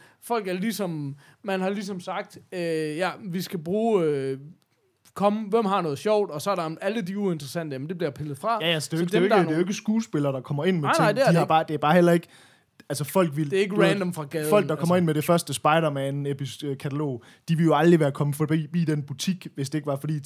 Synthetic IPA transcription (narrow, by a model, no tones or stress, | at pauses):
fɒ̽l̰ɡ̥æɐlisɒ̽mmænhɑ̈lisɒ̽msɑ̈ɡ̥̚d̥øjæʋisɡ̥æb̥ʁuːø | kʰɒ̽məʋem̰ɦɑ̈nɔ̽ːð̞̩ˠɕɒʊ̰d̥ɒ̽sɒ̽ɐɾɑæləd̥iuend̥ʁɐsæn̰d̥əæmend̥e̝b̥liɐpʰelð̩ˠfʁɑ̈jææsd̥eɡd̥eoed̥nejoe̝ɡ̥əsɡ̥uːsb̥e̝lɐːd̥ɑ̈kʰɒ̽mɐe̝n̰menɪ̰deiɑb̥ɑ̈ːd̥e̝æɐb̥ɑ̈ːhel̰ɐe̝ɡ̥ə | ælsəfɒ̽l̰ɡ̥ʋildeæe̝ɡ̥əʁænd̥ɔmfʁɑ̈ɡ̥ɛðˠfɒ̽l̰ɡ̥̚dɑ̈kʰɒ̽mɐe̝n̰meɾe̝fɶɐsd̥əsb̥ɑ̈ɪɾɐmæenepʰisøkʰæt͡sʰælo̝̰ː | d̥iʋe̝ljo̝ɑ̈ld̥ʁiʋæːɐkʰɒ̽məfɒ̽b̥ib̥ḭːd̥enb̥ut͡sʰiɡ̥ʋe̝sd̥e̝e̝ɡ̥əʋɑfɒ̽d̥ḭː